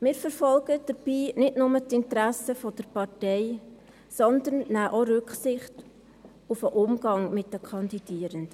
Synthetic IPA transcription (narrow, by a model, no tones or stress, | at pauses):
mɪːɾfəɾfɔlɡəd̥əɾb̥iːnɪdnʊmətɪntɾæsəfɔd̥əɾpɑrtɛɪ | sɔnd̪ənːæːʔoɾʉkχsɪχt | ufəʔʊmɡ̥ɑŋmɪtdəkʰɑnd̪id̥iːəɾənd̥ə